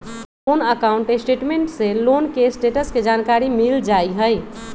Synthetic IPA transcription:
lonəkauɳʈesʈeʈmeɳʈselonkesʈeʈəsked͡ʒankaɾimild͡ʒajɦəj

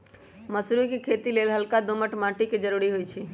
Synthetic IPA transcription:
məsɾukekʰet̪ilelɦəlkad̪oməʈmãʈiked͡ʒəɾuɾiɦojt͡ʃʰi

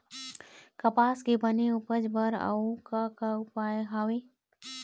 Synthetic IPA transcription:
kɐpaːskebəneʊpəd͡ʒbəɾə̰ukakaʊpaɦaːwe

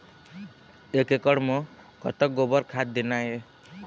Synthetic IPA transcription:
ekekʌɽmʌ | ɡʱʌ̰t̪ʌk̚ɡobʌɾkʰad̪̚d̪inaje

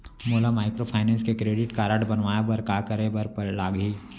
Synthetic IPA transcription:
moːlamaːɪkɾopʰaːɪnɛ̃ːnskekɾeːɖɪʈkaːɾaʈbɐnʋaːjabɐɾkaːkɐɾebɐɾpɐlaːɡiː

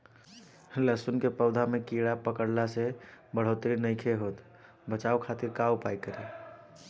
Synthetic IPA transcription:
ləsunkepəd̪ʱamekiɽapəkəɽlasebəɽ̤ot̪ɾinəɪkʰeɦot̪ | bət͡ʃaukʰat̪iɾkaupajkəɾi

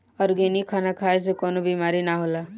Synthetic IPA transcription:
ɔːɾɡeːnikʰaːnakʰaːes̬ekɔːnobiːmaːɾinaɦola

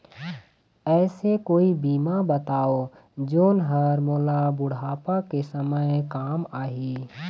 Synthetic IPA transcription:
ɛːsekoːibiːmabət̪aːo | d͡ʒoːnɦəɾmoːlabʊɽaːpakesəməjkaːmaːɦiː

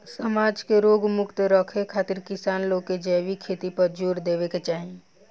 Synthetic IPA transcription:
səmaːd͡ʒkeɾoːɡmʊkt̪ɾɔkʰekʰaːt̪ɪɾkɪsaːnloːked͡ʒɛːʋikʰeːt̪ipɐɾd͡ʒuːɾd̪eːʋeket͡ʃaːɦĩ

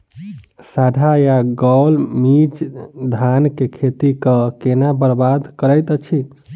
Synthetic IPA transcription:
saɖʱajaɡɔlmit͡ʃd̪ʱankekʰet̪ikəkenabəɾbad̪ʱkəɾəjt̪ət͡ʃʰi

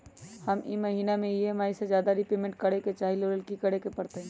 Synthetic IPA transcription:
həmiməɦiːnamẽiemaːised͡ʒjaːd̪aɾipeːmẽɳʈ̚kəɽeket͡ʃaːɦiloɾəlkikəɽekepəɽt̪eɦɛ̃

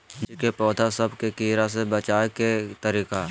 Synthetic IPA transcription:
kepɔːd̪ʱasɐbkekiːɾas̬ebət͡ʃaːeket̪əɾiːka

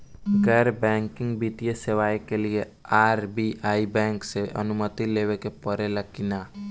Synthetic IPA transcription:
ɡɛːɾbɛ̃ːŋkɪŋɡbit̪ijesewaːjkelie | aːɾbiʔaːibɛ̃ːŋkseʔə̰nʊmət̪ilewekepəɾelakɪna

